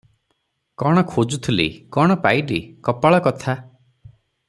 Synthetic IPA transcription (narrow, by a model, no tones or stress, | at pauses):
kɔɽ̃ɔkʰod͡ʒut̪ʰilḭkɔɽ̃ɔpaiɖikɔpaɭɔkɔt̪ʰa